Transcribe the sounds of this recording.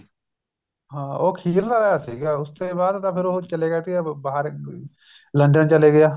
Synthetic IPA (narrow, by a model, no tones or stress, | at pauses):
ɦãːoːkʰiːɾt̪aɾɐjaːsiːɡaːʊst̪ebaːd̪t̪apʰɪɾot͡ʃɐleɡɛt̪iabaːɦəɾ | lə̃ɳɖənt͡ʃəleɡɐjaː